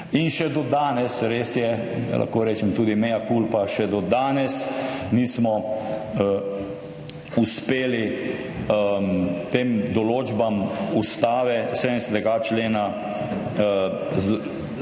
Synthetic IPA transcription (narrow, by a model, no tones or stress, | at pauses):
inʃɛd̪ɔd̪aːnɛsɾeːsjɛ̰ | lʔa̰xkoːɾɛːt͡ʃɛmt̪uːd̪imɛjakulpaʃɛd̪ɔd̪aːnɛsniːsmɔ | uspeːli | t̪eːmd̪ɔloːd͡ʒbamust̪aːʋɛsed̪nɛsɛt̪ɛɡat͡ʃleːna | z